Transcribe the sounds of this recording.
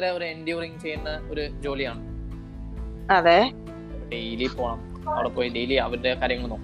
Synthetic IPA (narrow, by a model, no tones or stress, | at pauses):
ɾeoɾuendjuːriŋt͡ɕe̞jːunːɐoɾud͡ʑo̞ːliaːɳ | ɐðe | ɖejliːpːo̞ːɳaːm | ɐ̰ʋɐɽepːoːjiɖe̞jliɐʋɐɾude̞kaːɾjɐŋːɐɭnoːkː